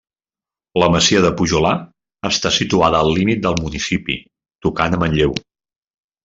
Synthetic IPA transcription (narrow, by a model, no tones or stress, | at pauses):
ləməsiəðəpuʒula | əst̪asit̪uaðəːlˠlimit̪̚d̪əlˠmunisipḭ | t̪ukanəmənʎew